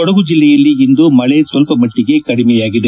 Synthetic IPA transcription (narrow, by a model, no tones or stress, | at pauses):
ɔɽɐɣud͡ʒilːɛjɐlːiind̪umɐɭesʋɐlpɐmɐʈːiɡe̞kɐɽimɛjaːɡid̪ɐ